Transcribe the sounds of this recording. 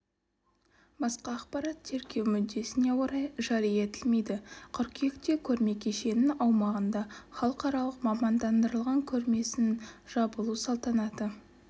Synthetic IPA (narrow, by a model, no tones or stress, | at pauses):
bɑsqɑːqpɑɾɑt̪ʰːe̞ɾkʲe̞wmʏd̪ːe̞sɪne̞woɾɑjʒɑɾijet̪ɪlme̞jd̪ɪqʰʏɾkʲʰekt̪e̞kʲʰɵɾme̞kʲʰe̞ʃe̞nɪŋɑwmɑʁənd̪ɑχɑlˠəqɑɾɑlˠəqmɑmɑnd̪ɑnd̪əɾəlˠʁɑŋkʲʰɵɾme̞sɪnʒ̥ɑbəlˠusɑlˠt̪ɑnɑt̪ə